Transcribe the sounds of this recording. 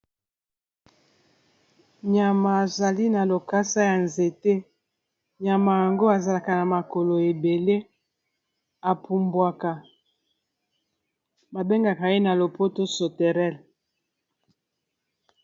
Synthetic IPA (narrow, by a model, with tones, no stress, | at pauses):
ɲa˨ma˨a˨za˨li˦na˨lo˨ka˦sa˦ja˨nze˨te˦ | ɲa˨ma˨ja˨ŋɡo˦a˨za˨la˨ka˨na˨ma˨ko˨lo˨e˨be˨le˦ | a˨pʰu˨mbwa˨ka˨ | ba˨be˦ŋɡa˨ka˨e˦na˨lo˨po˦to˦so˨tɛ˨ʁɛ˦l